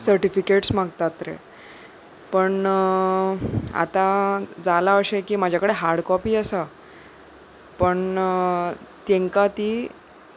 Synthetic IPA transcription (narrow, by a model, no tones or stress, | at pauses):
səɾʈifikeʈsmaɡt̪at̪ɾḛ | pəɳ | a̰t̪ãd͡zalaəɕekiːmad͡ʑʱjakəɽeɦaɾɽkɔpiːəsa | pəɳ | t̪ẽŋkat̪iː